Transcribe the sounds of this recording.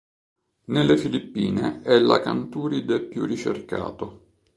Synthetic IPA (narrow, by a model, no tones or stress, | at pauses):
nelːefilipːiːnḛɛlːa̰kant̪uːɾid̪epjṵrːit͡ʃerka̰ːt̪o